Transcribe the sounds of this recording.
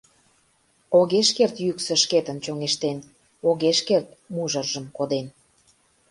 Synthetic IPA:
oɣeʃkert̪jyksə̆ʃket̪ənt͡ɕoŋeʃt̪en | oɣeʃkert̪̚muʒərʒəmkod̪en

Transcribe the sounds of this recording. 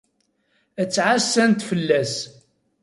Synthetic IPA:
ət͡sːʕasːænt̪fəlːæs

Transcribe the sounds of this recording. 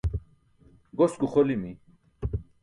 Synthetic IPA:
ɡosɡuχolimi

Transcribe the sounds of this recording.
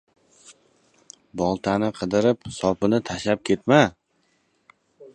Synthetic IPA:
bɒlˠt̪ʰanɪqʰɨd̪ɪɾɪpsɒpɪnɪt̪ʰaʃap̚kʲʰe̞t̪ma

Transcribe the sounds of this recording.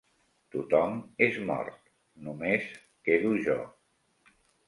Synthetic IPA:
t̪ut̪ɔmezmɔ̰ɾt̪ | numes | keðuʒɔ̰

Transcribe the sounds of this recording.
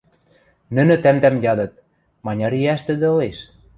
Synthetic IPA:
nɘ̆nɘ̆t̪æmt̪æmjɑd̪ɤ̆t̪̚ | mɑnʲɑɾiæʃt̪ə̆d̪ĕɤleʃ

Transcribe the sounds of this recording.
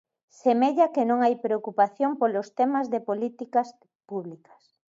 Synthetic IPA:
semeʎakenõŋajpɾeokupaθjompolost̪emazðepolit̪ikas | puβlikḁs

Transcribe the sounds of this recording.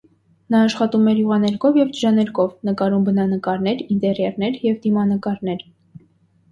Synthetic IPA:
nɑːʃχɑt̪umɛɾjuʁɑnɛɾkʰɔvjɛvd͡ʒəɾɑnɛɾkʰɔvnəkɑɾumbənɑnəkɑɾnɛɾint̪ɛɾjɛɾnɛɾjɛvd̪imɑnəkɑɾnɛɾ

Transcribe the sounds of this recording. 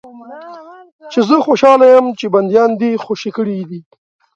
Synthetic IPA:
t͡ʃezəxoʃɑːlajəmt͡ʃeband̪jɑnd̪ixoʃikəɽid̪i

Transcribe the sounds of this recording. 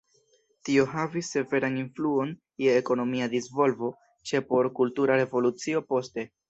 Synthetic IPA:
tio̞ɦavisːe̞ve̞ɾaninfluo̞n | jeːko̞no̞miadisvo̞lvo̞ | t͡ʃe̞po̞ɾkultuɾaɾe̞vo̞lut͡sio̞po̞ste̞

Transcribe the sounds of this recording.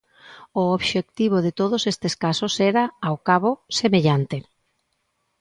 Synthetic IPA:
ʊoβʃek̚t̪iβ̞oðɪt̪oð̞osest̪eskasosɛɾaːwkaβosemeʎant̪e

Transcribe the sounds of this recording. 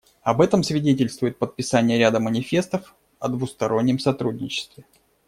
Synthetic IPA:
ɐbɛt̪əmsvʲɪdʲetʲɪlʲst̪vʊjɪt̪̚pət̪̚pʲɪsanʲɪjəɾʲad̪əmənʲɪfʲe̞st̪əf | ɐd̪vʊst̪ɐɾo̞nʲːɪmsɐt̪ɾudʲnʲɪt͡ɕɪ̥st̪vʲɪ

